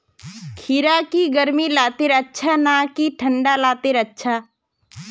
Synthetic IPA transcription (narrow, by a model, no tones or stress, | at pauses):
kʰiɾakiɡəɾmilaːt̪eɾətːʃʰaːnaːkiʈʰə̃ɳɖalaːt̪eɾətːʃʰaː